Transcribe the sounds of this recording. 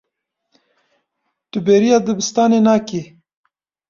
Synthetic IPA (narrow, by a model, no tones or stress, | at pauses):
t̪ubeːɾijad̪əbist̪aːnenaːke